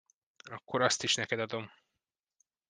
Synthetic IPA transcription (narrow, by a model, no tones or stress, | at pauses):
ɒkːoɾɒst̪iʃnɛkɛd̪ɒd̪o̞m